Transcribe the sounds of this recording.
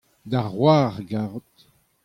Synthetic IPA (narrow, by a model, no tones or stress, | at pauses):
d̪aʁwaʁɡaʁt̪